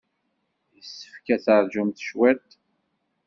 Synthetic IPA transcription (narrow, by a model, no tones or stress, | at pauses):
jəsːə̥fkæθəɾˤd͡ʒumθʃwæt̪